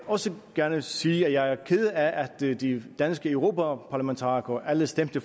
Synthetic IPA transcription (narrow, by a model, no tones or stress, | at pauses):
ɒ̽səɡ̥æɐnəsiːæjɑ̈ɪæɐkʰe̝ð̞ˠəæʔæd̥d̥id̥ænsɡ̥əøʊʁo̝ːpʰæpʰɑ̈læment͡sʰɑ̰̈ːikɒʔæləsd̥em̰d̥ə